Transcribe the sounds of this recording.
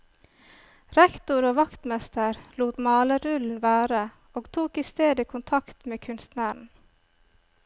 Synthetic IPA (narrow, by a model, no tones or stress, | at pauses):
ɾɛkt̪ʊɾoːʋɑkt̪mɛst̪əɾluːt̪mɑːləɾʉln̩ʋæːɾə | oːɡt̪ʰuːkiːst̪eːd̪əkʰʊnt̪ʰɑkt̪meːkʰʉnst̪næɳ̩